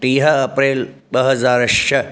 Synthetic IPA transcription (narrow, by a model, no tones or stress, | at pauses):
ʈiːɦɐɐpɾeːlbɐɦɐzaːɾɐʃɐ